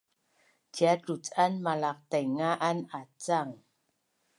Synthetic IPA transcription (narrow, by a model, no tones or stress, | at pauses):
d͡ʒjatut͡sanmalak̚tɛjŋaʔanat͡saŋ